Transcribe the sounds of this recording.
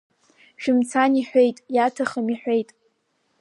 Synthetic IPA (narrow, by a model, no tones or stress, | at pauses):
ʃᶣɪmt͡sʰaniħʷᶣe̞jtʼjatʰaχəmiħʷᶣe̞jtʼ